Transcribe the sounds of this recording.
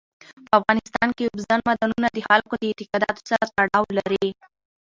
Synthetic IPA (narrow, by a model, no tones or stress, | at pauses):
pəafɣɑnɪst̪ɑnkebzanmad̪ɑnunad̪əxalkod̪əɪt̪ɪqɑd̪ɑ̰t̪o̥saɾat̪aɽɑwlaɾi